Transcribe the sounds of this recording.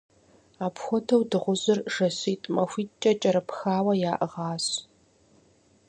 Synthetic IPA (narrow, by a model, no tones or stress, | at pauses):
aːpxʷɔdʰɐwdɨʁʷʊzɨrʒɐsiːtʼmɐxʷiːt͡ʃʼɐt͡ʃʼɐɾɨpxaːwɐjaːʔʁɑːɕ